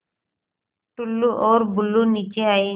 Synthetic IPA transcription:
ʈʊlːuːʔoːɾbʊlːuːniːt͡ʃeːaːeː

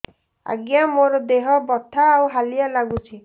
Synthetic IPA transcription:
a̰ɡjamoɾɔd̪eɦɔbɔt̪ʰaːwɦalijalaɡut͡ʃʰi

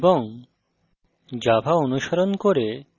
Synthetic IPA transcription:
boŋ | d͡ʑabʱaonuʃaɾonkoɾe

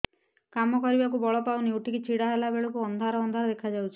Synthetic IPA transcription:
kamɔkɔɾibakubɔɭɔpawniuʈʰikit͡ʃiɽaɦelabeɭɔkuɔnd̪ʱaɾɔːnd̪ʱaɾɔd̪ekʰad͡ʒawt͡ʃʰi̥

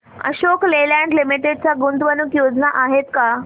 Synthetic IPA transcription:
ə̰ɕoklelãɳɖlimiʈeɖ̚t͡saɡunt̪ʋənukjod͡znaʔaɦet̪ka

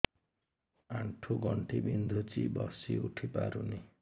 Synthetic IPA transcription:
aɳʈʰuɡʌɳʈibind̪ʱut͡sibʌsiuʈʰipa̰ɾuni

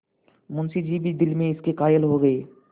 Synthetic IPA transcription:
mʊnsid͡ʒibʱid̪ɪlmẽɪskekaːjəlɦoɡɐeː

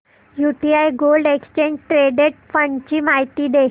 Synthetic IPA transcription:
juʈiajɡolɖekst͡ɕẽɲd͡ʑʈɾeɖeʈ̚fəɳt͡ɕiːmaɦit̪iːd̪e

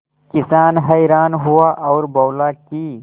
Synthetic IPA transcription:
kisaːnɦɐjɾaːnɦuaʔɐːɾbɐːlaːkiː

